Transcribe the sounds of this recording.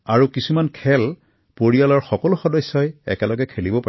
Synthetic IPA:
aɹukisumankʰɛl | poɹijalɔɹxɔkɔlʊxɔdɔjsːɔjɛ̰kɛlɔɡɛkʰelibɔpa

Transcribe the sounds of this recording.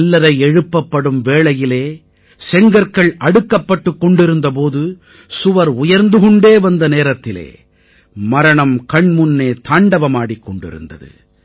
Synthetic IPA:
lːɐɾɐɪɛɻɯpːɐpːɐɽɯmʋeːɭɐjɪleː | sɛŋɡɐɾkɐɭɐɽɯkːɐpːɐʈːɯkːɔɳɖɪɾɯnd̪ɐp̬oːðɯ | sʊʋɐɾʊjɐɾnd̪ɯɣɔɳɖeːʋɐnd̪ɐneːɾɐt̪ːɪlḛː | mɐɾɐɳɐmkɐɳmʊnːeːt̪aːɳɖɐʋɐmaːɽikːɔɳɖɪ̰ɾɯ̰nd̪ɐ̰ðɯ̰

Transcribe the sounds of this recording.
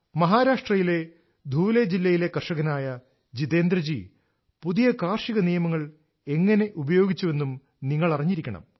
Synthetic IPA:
mɐɦaːɾaːʂʈrɐjile̞ | d̪ʱuːled͡ʑilːɐjile̞kɐrʂɐɣɐnaːjɐ | d͡ʑiðe̞ːnd̪ɾɐd͡ʑḭ | puðijɐkaːrʂiɣɐnijɐmɐŋːɐɭ | e̞ŋːɐne̞ʔubɐjo̞ːɡit͡ɕːuʋe̞nːum | niŋːɐɭɐriɲːiɾikʲːɐɳɐ̰m

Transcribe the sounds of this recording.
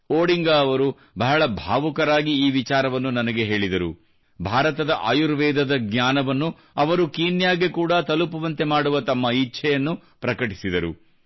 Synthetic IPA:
oːɽiŋɡɐːʋɐɾu | bʱɐɦɐɭɐbʱaːʋukɐɾaːɡiiːʋit͡ʃaːɾɐʋɐnːunɐnɐɡe̞ɦe̞ːɭid̪ɐɾu | bʱaːɾɐt̪ɐd̪ɐʔaːjuɾʋɛːd̪ɐd̪ɐɡɲʲaːnɐʋɐnːu | ɐʋɐɾukiːnjaːɡekuːɽɐt̪ɐlupɐʋɐnt̪e̞maːɽuʋɐt̪ɐmːɐitːʃʰɛjɐnːu | pɾɐkɐʈisid̪ɐɾṵ

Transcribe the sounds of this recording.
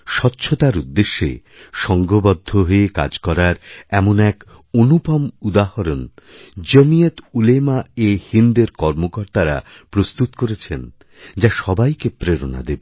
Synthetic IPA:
ʃɔtːɕʰot̪aɾud̪ːeʃːḛ | ʃɔŋɡʱobɔd̪ʱːoɦoeka̰d͡ʑkɔɾaɾɛmonɛk | onupɔmud̪ahoɾon | d͡ʑomijet̪ulemaehind̪eɾkɔɾmokɔɾt̪aɾa̰ | pɾost̪ut̪koɾet͡ɕʰen | d͡ʑaʃɔbajkepɾeɾona̰d̪ebe

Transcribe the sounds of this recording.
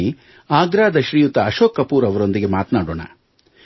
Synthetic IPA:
i | aːɡɾaːd̪ɐʃɾijut̪ɐːʃoːkːɐpuːɾɐʋɐɾo̞nd̪iɡe̞maːt̪naːɽo̰ːɳɐ̰

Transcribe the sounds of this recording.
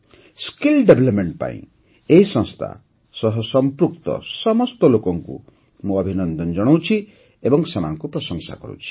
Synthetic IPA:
skilɖebʱelɔpmeɳʈpã̰ḭ̃ | eisɔ̃ŋst̪ʰa̰ | sɔɦɔsɔmpɾukt̪ɔ̰sɔmɔst̪ɔlokɔŋkṵ | muɔbʱinɔnd̪ɔnd͡ʒɔɽ̃owt͡ʃʰi | ebɔŋsemanɔŋkupɾɔsɔŋsa̰kɔɾṵt͡ʃʰi̥

